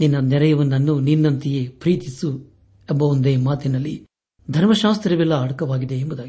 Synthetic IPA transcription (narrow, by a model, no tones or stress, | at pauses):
ninːɐnɛɾɐjɐʋɐnːɐnːuninːɐnt̪ijepɾiːt̪isu | embɐond̪eːmaːt̪inɐlːi | d̪ʱɐɾmɐʃaːst̪ɾɐʋɛlːɐɐɽɐkɐʋaːɡid̪e̞ːmbud̪aːɡi